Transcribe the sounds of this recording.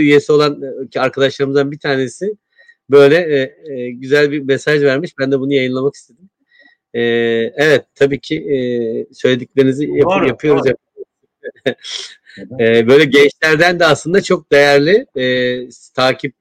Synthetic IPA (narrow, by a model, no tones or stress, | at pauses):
yje̞sio̞lˠancʰiaɾkʰad̪aʃlˠaɾɯmɯzd̪anbit̪ʰaːne̞sɪ | bø̞jlʲɛ | ɟyzælʲbimesaʒvæɾmiʃbænd̪ɛbunujajɯnlˠamaki̥st̪ʰe̞d̪im | ɛːɛvɛt̪ʰːabiːcʰi | sø̞jlʲe̞d̪iclʲe̞ɾinizijajapʰɯjo̞ɾuzjapɯo | ɛːbø̞jlʲɛɟɛnt͡ʃlʲæɾd̪ænd̪ɛaslˠɯnd̪at͡ʃʰo̞k̚d̪e̞jæɾlʲi | t̪ʰaːcʰip̚